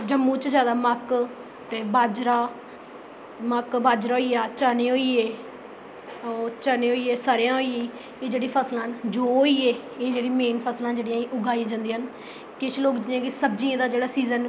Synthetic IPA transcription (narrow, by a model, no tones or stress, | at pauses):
d͡ʒəmːũːt͡ʃzjaːd̪aːmək | t̪eːbaːd͡ʒɾaː | məkbaːd͡ʒɾaːɦoiːaːt͡ʃaːneːɦoːiːeː | t͡ʃəːnẽːɦoːieːsaːɾejãːɦoːieː | eːd͡ʒeːɽeːpʰəslãːnd͡ʒoːɦoːiːeː | eːd͡ʒeːɽiːmeːnpʰəslãːd͡ʒeːɽɪjãːiːʔʊɡaːĩd͡ʒãːnd̪iːɦən | kɪʃloːkd͡ʒẽːkɪsəbd͡ʒĩːãːd̪aːd͡ʒeːɽaːsiːzən